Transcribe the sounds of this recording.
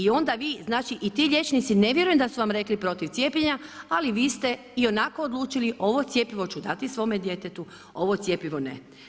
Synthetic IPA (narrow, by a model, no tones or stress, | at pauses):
io̞nd̪aʋiːznaːt͡ʃiʔit̪iːʎʲe̞t͡ʃnit̪sine̞ʋje̞ɾujemd̪asuʋamɾe̞klipɾo̞t̪iʋt̪sʲje̞pjeɲaaliʋiːst̪e̞ | io̞nako̞ːd̪lˠuːt͡ʃiliʔo̞ʋo̞t̪sje̞piʋo̞t͡ʃud̪at̪isʋo̞ːmed̪je̞t̪et̪u | o̞ʋo̞t̪sje̞piʋo̞nḛ